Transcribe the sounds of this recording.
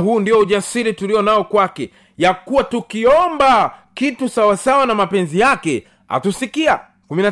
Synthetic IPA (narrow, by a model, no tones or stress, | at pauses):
huːndiɔuʄasiɾituliɔnaɔkwakɛ | jakuwatukiɔmbakitusawasawanamapɛnzijakɛ | ha̰tusikia̰ | kumina